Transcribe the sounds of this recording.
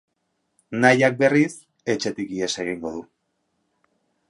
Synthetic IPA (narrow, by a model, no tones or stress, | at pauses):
najak̚be̞ris | e̞t͡ʃe̞t̪ikie̞se̞ɣ̞iŋɡo̞ðu